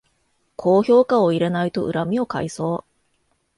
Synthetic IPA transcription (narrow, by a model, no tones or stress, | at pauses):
kʰo̞ːço̞ːkao̞iɾe̞nait̪o̞̰ʔɯ̟ɾamʲio̞ka̰iso̞ː